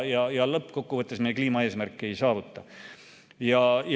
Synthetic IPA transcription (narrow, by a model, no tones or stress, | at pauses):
jɑjɑlɤpːˑko̞kːuvɤt̪ːˑe̞smejekliːmɑeːsmærkːie̞jsɑːvut̪ˑːɑ | jɑj